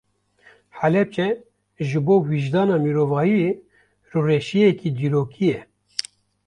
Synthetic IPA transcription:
ħælɛp̚t͡ʃɛ | ʒɨboːwiʒd̪ɑːnɑːmiɾoːvɑːjie | rɨreːʃijeɛkiːd̪iːɾoːkʰijɛ

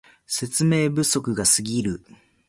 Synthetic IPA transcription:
se̞t͡sɨme̞ːbɯ̟so̞kɯ̟ɡasɨɡʲiɾɯ̟

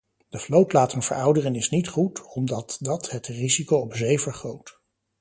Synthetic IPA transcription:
d̥əflowtlaːtənvə̰ɹʌwdərənɪsnitχutɔmdɑtdɑtɦətrizikowɔpzejvəɹχowt

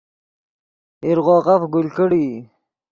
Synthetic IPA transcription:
iɾʁɔːʁafɡulkəɽi

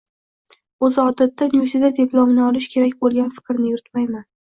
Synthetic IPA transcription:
ɵzɒd̪at̪ːaniveɾsid̪ad̪eplˠɒmɪnɪɒlɪʃkʲʰe̞ɾak̚ʲbolˠɡʲanfɪ̥kɾnɪjʊɾɪt̪majman

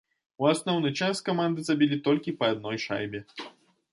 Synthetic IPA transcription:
uasnɔwnɨt͡ʂaskamand̪ɨzabʲilʲit̪ɔlʲkʲipɐad̪̚nɔjʂa̰jbʲɛ

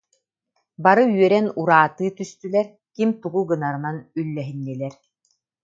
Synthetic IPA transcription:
baɾɯɥœɾɛnuɾaːt̪ɯːt̪yst̪ylɛɾ | kimt̪uɡuɡɯnaɾɯnanylːɛɦinːilɛɾ

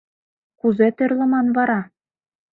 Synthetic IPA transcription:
kuzet̪ɘ̆rʲlʲɘ̆mɑnvɑɾɑ

